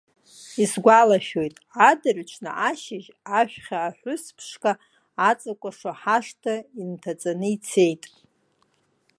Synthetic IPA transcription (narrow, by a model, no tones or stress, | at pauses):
isɡʷalaʃᶣo̞jtʼadarʷt͡ʃʰna̰ʔaʃɪʒ | aʃᶣχʲaːħʷʊspʰʂkʼaː | t͡sʼakʷʼaʂaħaʂtʰaintʰat͡sʼanɨit͡sʰe̞jtʼ